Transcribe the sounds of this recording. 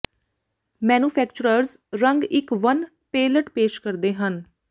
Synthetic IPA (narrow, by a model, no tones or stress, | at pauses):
mɛːnũːpʰɛːkt͡ʃʊɾəɾzɾəŋɡɪkʋən | peːləʈpeːʃkəɾd̪eːɦən